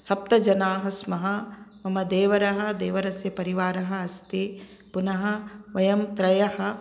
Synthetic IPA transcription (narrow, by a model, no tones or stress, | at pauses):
sɐp̚t̪ɐd͡ʒɐnaːɦɐsmɐɦɐmɐmɐd̪eːʋɐɾɐɦɐ̆d̪eːʋɐɾɐsjɐpɐɾiʋaːɾɐɦɐːst̪i | punɐɦɐ̆ʋɐjɐmt̪ɾɐjɐɦɐ̆